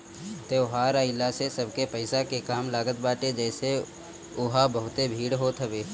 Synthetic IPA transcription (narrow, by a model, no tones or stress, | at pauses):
t̪eʊɦaːɾaːɪlasesɐbʱkepɐɪsakekaːmlaːɡət̪baːʈed͡ʒɛːse | ʊɦabəɦʊt̪ebʱiːɽɦoːt̪ʰəbeː